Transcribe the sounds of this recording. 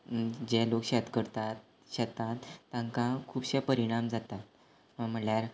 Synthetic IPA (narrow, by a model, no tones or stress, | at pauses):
d͡ʑɛlokɕɛt̪kəɾt̪at̪̚ | ɕɛt̪at̪ːãŋkakʰuːbɕepəɾiɽ̃amd͡zat̪at̪ | əm̤əɳljaɾ